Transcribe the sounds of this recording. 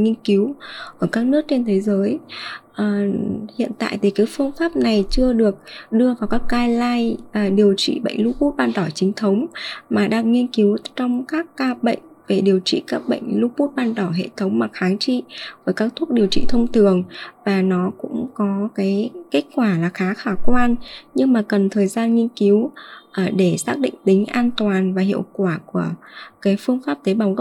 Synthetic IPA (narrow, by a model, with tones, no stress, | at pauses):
ŋi˧ənki˨˦wʔəː˧˩kaː˦˥k̚nɨ˦˥ək̚t͡ɕe˧nt̪ʰe˨˦jzəː˨˦jʔə˨˩hḭ˧˨ənt̪a̰ː˧˨jt̪ʰi˨˩kaː˨˦jfɨ˧əŋfaː˦˥p̚na˨˩jt͡ɕɨ˧əɗɨ˨˩ək̚ɗɨ˧əvaː˨˩wkaː˦˥k̚kaː˧jlaː˧jʔə˨˩ɗi˨˩əwt͡ɕḭ˧˨ɓə̰˧˨jŋ̟lu˧pu˦˥t̚ɓaː˧nt̪ɔ˧˩t͡ɕï˨˦ŋ̟t̪ʰə˨˦wŋ͡mmaː˨˩ɗaː˧ŋŋi˧ənki˨˦wt͡ɕɔ˧wŋ͡mkaː˦˥kːaː˧ɓə̰˧˨jŋ̟ve˨˩ɗi˨˩əwt͡ɕḭ˧˨kaː˦˥k̚ɓə̰˧˨jŋ̟lu˦˥pu˦˥t̚ɓaː˧nt̪ɔ˧˩ɦḛ˧˨t̪ʰə˨˦wŋ͡mmaː˨˩xaː˨˦ŋt͡ɕḭ˧˨vəː˨˦jkaː˦˥k̚t̪ʰu˦˥k̚ɗi˨˩əwt͡ɕḭ˧˨t̪ʰə˧wŋ͡mt̪ɨ˨˩əŋvaː˨˩nɔ˨˦kʊ̰˧˥ŋ͡mkɔ˨˦kaː˨˦jke˦˥k̚kwaː˧˩laː˨˩xaː˨˦xaː˧˩kwaː˧nɲɨ˧ŋmaː˨˩kə˨˩nt̪ʰəː˨˩jzaː˧nŋi˧ənki˨˦wʔɗe˧˩saː˦˥k̚ɗḭ̈˧˨ŋ̟t̪ï˨˦ŋ̟ʔaː˧nt̪waː˨˩nvaː˨˩ɦḭ˧˨əwkwaː˧˩ku˧˩əkaː˨˦jfɨ˧əŋfaː˦˥p̚t̪e˨˦ɓa˨˦wɣ